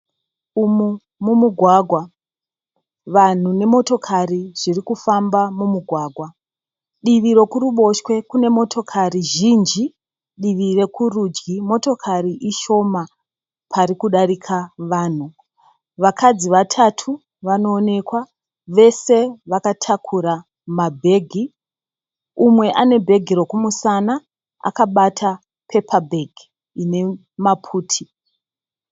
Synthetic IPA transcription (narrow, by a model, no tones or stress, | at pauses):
umu | mumuɡʱwaɡʱwa | ʋan̤une̞mo̞to̞kʰariʐ̥irikufambamumuɡʱwaːɡʱwa | ɗiʋiɾo̞kuɾuɓo̞ʃwe̞kune̞mo̞tʰo̞kʰariʒind͡ʒi | ɗiʋire̞kurud͡ʒɡimo̞to̞kʰariʔiʃo̞ma | pʰaɾikuɗarikʰaʋaːn̤u | ʋakʰad͡ziʋatʰatʰu | ʋano̞ːne̞kwa | ʋe̞se̞ʋakatʰakʰuɾa | mabʱe̞ːɡʱi | umwe̞ʔane̞bʱe̞ɡʱiro̞kumusana | a̰kaɓatʰa | pʰe̞pʰabʱeɡʱi | ine̞ | mapʰuːtʰi